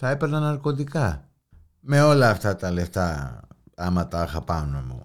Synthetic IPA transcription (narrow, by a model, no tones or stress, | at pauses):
t̪ɐepeɾnɐnɐɾko̞t̪ika | meo̞lɐːft̪at̪ɐleft̪a | amat̪axapanomṵ